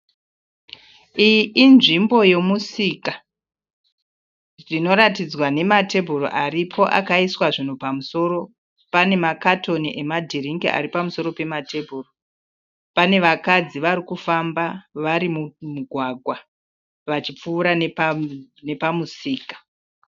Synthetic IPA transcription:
ijiʔinʐimbo̞je̞musika | d͡zino̞ɾatid͡zwane̞mate̞bʱuro̰ʔaripʰo̞ʔa̰kaiswaʐin̤upamuso̞ːɾo̞ | pane̞makatʰo̞niʔe̞madʱiriŋɡḭa̰ɾipamuso̞ɾo̞pe̞mate̞bʱuro | pane̞ʋakad͡ziʋaɾikufambaʋaɾimumuɡʱwaɡʱwa | ʋat͡ʃip͡fuːɾanpne̞pamusiːkḁ

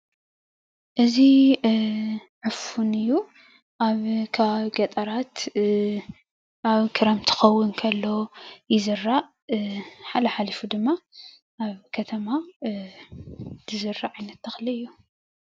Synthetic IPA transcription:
ʔɨzi | ʕɨfunɨjːu | ʔaβkʰaβaβɡɐt̪ʼɐɾat̪ | ʔaβkʰɨɾɐmt̪ʰɨ̥xɐwːʊnkʰɐlːo̞jɪzɨɾːa | ħalɐħalifud̪ɨmːa | ʔaβkʰɐt̪ʰɐma | d̪ʰɨzɨɾaʕajnɐt̪ːɐxliɨjːu

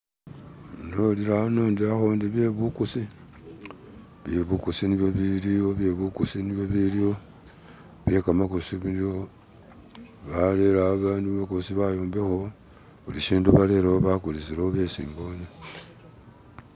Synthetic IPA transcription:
noliɾaanoːndiaxondiβje̞βukusi | βjeβukusiniβjoβilio̞βje̞βukusiniβjo̞βilio | βje̞kamakosiβudio | βaleɾaβaːnduβakosiβajoːmbexo̞ | βuliʃiːnduβale̞ɾaoβakulisiɾaoβe̞sḭːmbone

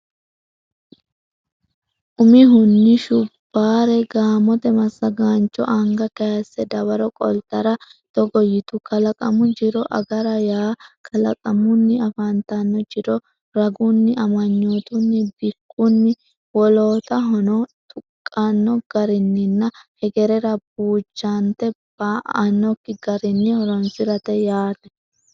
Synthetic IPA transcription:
ʔʊmɪɦʊnːɪʃʊb̥ːaːɾɛɡaːmɔt̪ɛmɐsːɐɡaːnt͡ʃʼːɔ̰ʔɐŋɡɐkɐjɐsːɛd̪ɐwɐɾɔkʼɔ̰lt̪ɐɾɐt̪ɔɡɔjɪt̪ʊkɐlɐkʼɐmʊd͡ʒɪɾɔʔɐ̰ɡɐɾɐjaːkʰɐlɐ̰kʼɐmʊnːɪɐfɐnt̪anːɔd͡ʒɪɾɔ | ɾɐɡʊnːɪʔɐmɐɲːoːt̪ʊnːɪbɪkʼːʊnːɪ | wɔloːt̪ɐɦɔnɔt̪ʼʊkʼːanːɔɡ̥ɐɾɪnːɪnːɐhɛɡɛɾɛɾɐbuːt͡ʃːant̪ɛb̥aːʔɐnːɔkːɪɡɐɾɪnːɪhɔɾɔnsɪɾɐt̪ɛjaːt̪ɛ

